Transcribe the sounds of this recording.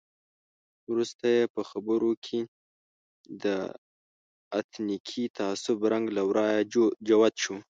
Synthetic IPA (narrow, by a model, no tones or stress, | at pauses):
wɾust̪ajepəxabəɾokʰe | d̪ə | a̰t̪nikʰit̪ʰaasʊbɾaŋɡlawɾɑjad͡ʒawad̪ʃu